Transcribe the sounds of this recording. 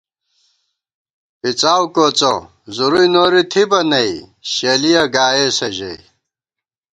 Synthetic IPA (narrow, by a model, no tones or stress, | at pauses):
pit͡saːwkoːt͡so | zuɾujnoːɾit̪ʰibɐnɐiɕelijɐɡaːjeːsɐʑḛj